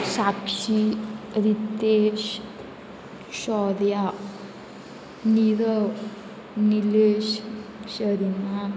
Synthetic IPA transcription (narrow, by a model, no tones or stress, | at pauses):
sakʂiɾit̪eɕ | ɕɔdja | niɾə | nileɕɕəɾina